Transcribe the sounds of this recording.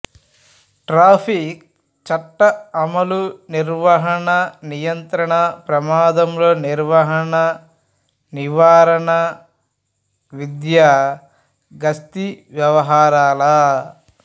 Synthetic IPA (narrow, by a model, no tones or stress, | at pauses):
ʈɾaːpʰik̚ | t͡ʃɐʈːɐɐmɐluniɾʋɐɦɐɳɐnijɐnt̪ɾɐɳɐpɾɐmaːd̪ɐmloːniɾʋɐɦɐɳɐ | niʋaːɾɐɳɐ | ʋid̪ja | ɡɐst̪iʋjɐʋɐɦaːɾaːlɐ